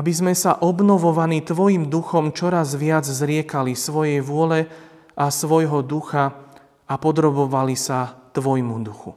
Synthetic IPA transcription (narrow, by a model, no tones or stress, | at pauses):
abizmɛsaʔɔbnɔʋɔʋaniːt̪ʋɔjimd̪uxɔmt͡ʃɔɾazʋɪad͡zzɾɪɛkalisʋɔjɛjʋʊɔlɛ | ʔasʋɔjɦɔd̪uxa | apɔd̪ɾɔbɔʋalisat̪ʋɔjmud̪uxṵ